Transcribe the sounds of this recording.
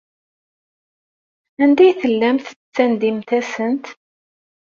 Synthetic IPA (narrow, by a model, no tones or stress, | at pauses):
ænd̪æjθəlːæmθt͡sːænd̪imt̪æsənt̪